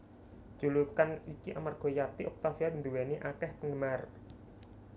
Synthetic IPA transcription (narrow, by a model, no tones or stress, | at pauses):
d͡ʒ̥ulukanikiʔamarɡ̥ɔ̤jat̪iʔɔk̚t̪afiadind̪uweniʔakɛhpəŋɡəmar